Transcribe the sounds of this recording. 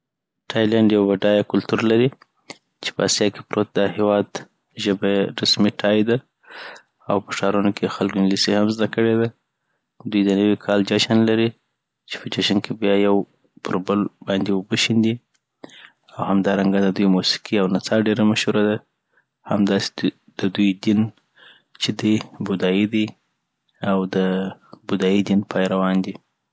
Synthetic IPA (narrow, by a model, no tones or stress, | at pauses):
ʈʰɑjlaɳɖjawbaɖɑjakʊlt̪uɾlaɾi | t͡ʃe̥pəasjɑke̥pɾot̪̚d̪əhewɑd̪ | ʒəbaɾasmiʈʰɑjd̪a | awpəʂɑɾunokʰexalɡonlisehamzd̪akəɽed̪a | d̪ujd̪ənəwikʰɑld͡ʒɑʃanlaɾi | t͡ʃe̥pəd͡ʒaʃankʰebjɑjaw | pʰəɾbəlbɑnd̪ewəbəʃind̪i | awhamd̪ɑɾaŋɡad̪əd̪ujmusi̥qiawnat͡sɑɖeɾamaʃhuɾad̪a | hamd̪ɑse̥ | d̪̥əd̪ujd̪in | t͡ʃed̪ibʊd̪ɑjid̪i | awd̪əbʊd̪ɑjid̪inpʰɑjɾawɑnd̪i